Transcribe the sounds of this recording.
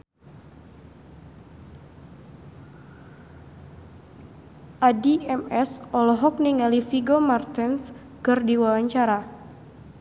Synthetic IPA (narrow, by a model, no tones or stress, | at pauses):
ʔadiɛmɛsɔlɔɦɔk̚niŋalifiɡomart̪ins | kɨrdiwawaɲt͡ʃaɾa